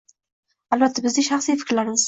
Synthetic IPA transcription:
alˠbat̪ʰːabɪzɪʃaχsijfɪ̥kʲɾlaɾɪmɪz

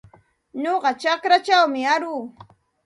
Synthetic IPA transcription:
ɲoɢɑt͡ʃakɾat͡ʃawmɪaɾuː

